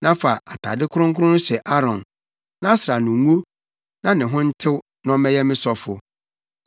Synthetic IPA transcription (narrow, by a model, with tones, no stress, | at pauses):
nã˦fa˨ʔa̰˨tʰa̰˨dɪ˦kʰʊ˦ɾʊ̃˦ŋkʊ˦ʊ̃˦ñ˦ɕɛ˨ʔa˦ɾɔ̃˨n | nã˦sɾa˨nʊ̃˨ŋo˦ | nã˦nɪ̃˨ɦʊ̃˦n̩˦tʰɪ˦w | nɔ̃˦mɛ̃˦jɛ˦mɪ̃˦sɔ˦fʊ̰˨